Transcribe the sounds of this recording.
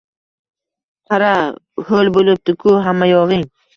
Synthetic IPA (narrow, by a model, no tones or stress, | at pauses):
qʰɑɾa | holbolɪp̚d̪ɪkʰʊɦamːajɒʁɪŋ